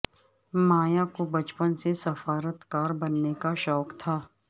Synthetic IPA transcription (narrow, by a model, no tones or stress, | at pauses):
maːjakobɐt͡ʃpənsesɐfaːɾət̪kaːɾbɐnːekaʃɔːkt̪ʰaː